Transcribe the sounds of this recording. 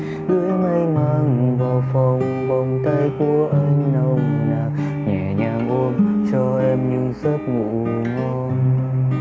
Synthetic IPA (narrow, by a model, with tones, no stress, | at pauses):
zɨ̰˧˦əjŋa˧jmaː˧ŋvaː˨˩wfa˨˧˩wŋ͡m | ɓɔ˨˧˩wŋ͡mt̪a˧jku˧˩əʔə˧ŋ̟nə˧˩wnaː˨˩ | ɲɛ˨˩ɲaː˨˩ŋʔo˧mt͡ɕɔ˧ʔɛ˧mɲɨ˧ŋsə˦˥t̚ŋṵ˧˨ | ŋɔ˧ | n